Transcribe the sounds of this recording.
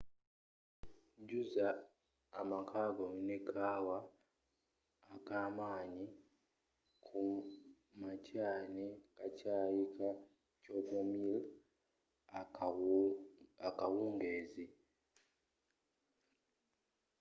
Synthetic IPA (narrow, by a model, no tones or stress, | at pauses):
ɲɟuzaː | makʰaɡoinekʰaːwa | kaːmaːɲi | kʰu | macaːnekacaːjika | coɡomil | akawuːŋɡeːzi